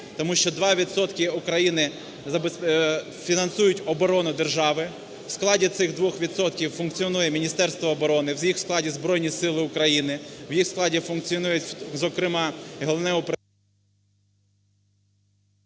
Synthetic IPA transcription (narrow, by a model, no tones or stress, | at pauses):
t̪ɔmuʃt͡ʃɔd̪ʋɑʋʲid̪sɔt̪kʲɪʊkɾɐjinɪ | zɐbep | fʲinɐnsujʊtʲɔbɔɾɔnʊd̪erʒɑʋɪ | w̥sklˠɑdʲit̪sɪɣd̪ʋɔxʋʲid̪sɔt̪kʲiwfʊnkt͡sʲiɔnujɛmʲinʲist̪ɛrst̪ʋɔːbɔɾɔnɪwzjixsklˠɑdʲizbɾɔjnʲisɪlˠɪʊkɾɐjinɪwjixsklˠɑdʲifʊnk̚t͡sʲiɔnujʊtʲzɔkɾɪmɑɦɔlˠɔnɛʊp